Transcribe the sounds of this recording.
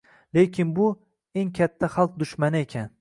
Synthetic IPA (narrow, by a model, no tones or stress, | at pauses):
lekʲʰɪnbʊ | e̞ŋkʲʰat̪ʰːaχalˠq̚d̪ʊʃmanɪekʲʰan